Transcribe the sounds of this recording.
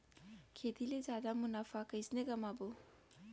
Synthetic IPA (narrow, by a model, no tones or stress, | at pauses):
kʰet̪ilezad̪amunapʰakəjsneɡamabo